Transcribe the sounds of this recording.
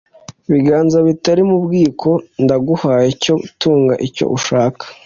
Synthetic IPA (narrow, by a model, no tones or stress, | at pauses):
βiɡaːnzaβitaɾimubɡiːkʰo̞ndaɡuhaːjeco̞tuːŋɡaʔico̞̰ʔuʃaːkḁ